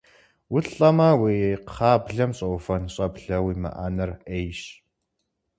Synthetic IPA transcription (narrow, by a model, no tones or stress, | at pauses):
wʊɬʼɐmaːweejqχaːbɮɐmɕʼɐwfɐnɕʼɐbɮɐwiːmɐ̰ʔa̰ːnɐrejɕ